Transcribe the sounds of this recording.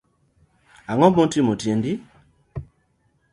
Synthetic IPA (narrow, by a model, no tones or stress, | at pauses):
aŋɔmõtimotjendi